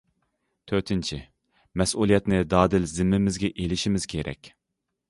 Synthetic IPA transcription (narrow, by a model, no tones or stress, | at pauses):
t̪ʰøɾt̪ʰɪnt͡ʃʰi | mɛsulˠijɛt̪nɪd̪ɑːd̪ɪlzɪmːɪmɪzɡʲɛʔelɪʃimɪz̥kʲʰeɾɛ̰kʲ